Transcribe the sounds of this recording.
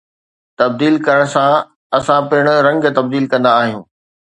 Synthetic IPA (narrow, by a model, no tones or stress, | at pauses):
t̪ɐb̚d̪iːlkɐɾəɽ̃sã | ɐsãpɪɪɽ̃ʊɾɐ̃ŋɡt̪ɐb̚d̪iːlkɐ̃nd̪aːɦijũː